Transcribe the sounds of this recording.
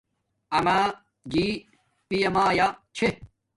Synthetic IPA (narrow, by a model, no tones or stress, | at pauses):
ɐma | d͡ʑi | pijɐmaːjat͡ɕʰe